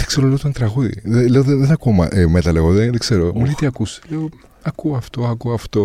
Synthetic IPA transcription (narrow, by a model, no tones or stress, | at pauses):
ðe̥kseɾoleot̪ɐnt̪ɾɐɣuðḭðeleoðeðenɐkuːmɐ̰ʔemet̪ɐleɣoðeðekse̞ɾomulet̪iɐkuse̥leo | ɐkuoɐft̪oɐkuɐft̪o̞